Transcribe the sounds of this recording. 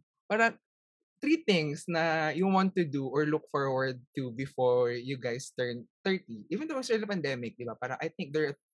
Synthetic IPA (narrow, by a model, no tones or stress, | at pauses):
paːɾɐŋ | t̪ɾiːt̪ɪ̃ŋsnɐjuwãnt̪ːʊd̪uʔɔɹlʊk̚fɔɹwɐɹd̪̚t̪ubɪfɔɹjʊɡajst̪ɛɹnt̪ɛɹt̪iʔivɛ̃nd̪owsɛ̃ɐpɐ̃nd̪ɛmɪk̚d̪ɪbapaːɾɐŋʔɐjθɪ̃ŋk̚d̪ɛɹɐ